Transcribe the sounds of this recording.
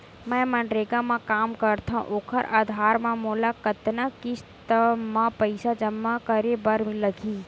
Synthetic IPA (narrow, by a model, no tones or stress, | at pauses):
mɛ̃ːmɐ̃ɳɖɾeːɡamãkaːmkɐɾt̪ʰaṵ̃ʔoːkʰəɾʔa̰ːd̪ʱaːɾmãmoːlakɐt̪nakɪst̪əmãpəɪsad͡ʒəmːakəɾebəɾmɪ̃ləɡʱiː